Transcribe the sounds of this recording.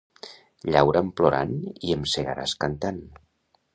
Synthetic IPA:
ʎawɾamploɾa̰niəmseɣa̰ɾa̰skant̪an

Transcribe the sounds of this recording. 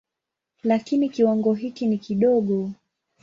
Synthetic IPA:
lakinikiwaŋɡɔɦikinikiɗɔɠɔ

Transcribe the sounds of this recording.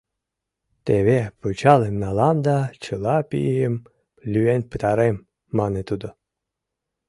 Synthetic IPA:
t̪eβeput͡ɕɑlemnɑlɑmd̪ɑt͡ɕɤlɑpḭem | lʲyenpət̪ɑɾemː | ɑnet̪ud̪o

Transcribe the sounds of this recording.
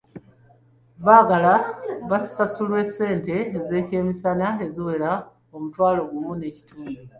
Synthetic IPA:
βaːɡalaβassasulwe̞sːe̞ːnte̞ːze̞ːce̞ːmisanaeziwe̞ɾa | o̞mutwaːlo̞ɡumune̞ci̥tuːndo

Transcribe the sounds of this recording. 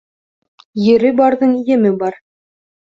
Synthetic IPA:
jɘ̆ɾɘbɑɾðɤɴijɘ̆mɘbɑɾ

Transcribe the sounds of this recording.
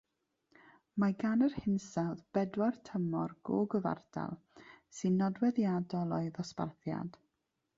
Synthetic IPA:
maɡanərhɪnsawðb̥ɛdwartʰəmɔrɡ̥o̰ːɡəva̰rd̥a̰lˠ | sɨnːɔdwɛðjadɔlˠɔɨðɔspa̰rθja̰d̥

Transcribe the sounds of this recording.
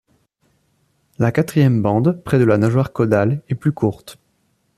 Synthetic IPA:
lakat̪χijɛmbɑ̃d̪pχɛd̪əlanaʒwaʁkɔd̪alɛplykʰuʁt̪

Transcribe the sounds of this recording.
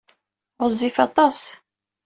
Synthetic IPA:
ʁəzˤːifɑt̪ˤɑs

